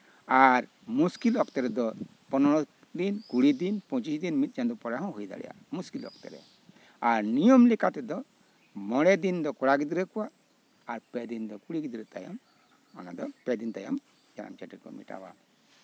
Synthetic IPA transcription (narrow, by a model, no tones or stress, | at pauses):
aɾ | muskilɔkt̪ɛɾɛd̪ɔ | pɔnɔɽɔ | d̪inkuɽid̪inpɔ̃t͡ʃisd̪inmit̪̚ˀd͡ʒand̪ɔpɔɽaɦɔ̃ɦujd̪a̰ɽɛ̰ja̰ | muskilɔ̰kt̪ɛ̰ɾɛ̰ | aɾnijɔmlɛkat̪ɛd̪ɔ | mɔɽɛd̪ind̪ɔkɔɽaɡid̪iɾɛkɔwaː | ɾpɛd̪ind̪ɔkuɽiɡid̪ɾɛt̪a̰jɔ̰m | ɔ̰na̰d̪ɔpɛd̪int̪ajɔ̰m | d͡ʒana̰mt͡ʃaʈiɾkɔ̰mḭʈa̰wa̰